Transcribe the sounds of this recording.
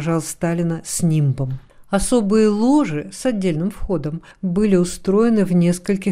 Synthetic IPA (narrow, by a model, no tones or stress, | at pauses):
ʐɑlˠst̪alʲɪnəsʲnʲimbəm | ɐso̞bɨjəlˠo̞ʐɨsɐdʲːelʲnɨmfxo̞d̪əm | bɨlʲɪʊst̪ɾo̞jɪnɨvnʲe̞skəlʲkʲɪ